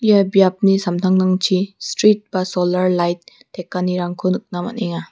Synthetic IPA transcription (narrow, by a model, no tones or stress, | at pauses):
ijabjap̚nisamtʰaŋnaŋt͡ʃʰistɾit̚b̥asɔlaɾlajt̚ːʰ | ekːaniɾaŋkʰɯnɯk̚nama̰teŋa